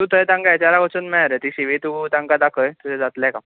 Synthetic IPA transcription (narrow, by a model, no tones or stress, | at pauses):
t̪ũt̪əjt̪ãŋkaet͡ɕaɾakot͡sənmɛɭaɾet̪iːɕiʋet̪ut̪ãŋkad̪akʰəjt̪ud͡ʑad͡zat̪laka